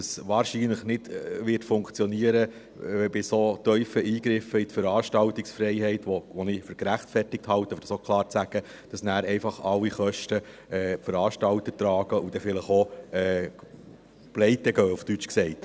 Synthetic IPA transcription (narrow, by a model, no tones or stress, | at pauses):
əsʋɑːɾʃiːnləχnɪd̥ʋɪtfʊŋkt͡sjɔniəɾə | ɛbɪsot̪œʏfəʔiːɡɾɪfəitfəɾɑːʃtɑltɪksfɾɛɪɦɛɪtʋoʋɔnɪfʏɾkɾæχtfɛrtɪk̚thɑwtəfəd̥ɑsokʰlˠɑːɾt͡sæɡ̥ə | d̥ɑsnæːɾɛɪfɑχɑlːiχœʃtə | ɛːfəɾɑːʃtɑlt̪ətɾɑːɡ̥əʔud̥ɛfɪləχoɛː | b̥lɛɪt̪ɛɡœːuftyt͡ʃksɛɪt